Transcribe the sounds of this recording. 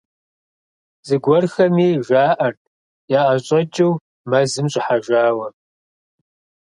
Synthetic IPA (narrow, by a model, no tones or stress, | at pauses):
z̥ɨɡʷɔrxɐmiːʒaːʔɐrt̚ʰʼ | jaːʔɐɕʼɐt͡ʃʼɪw | mɐzɨmɕʼɪħaʒaːwɐ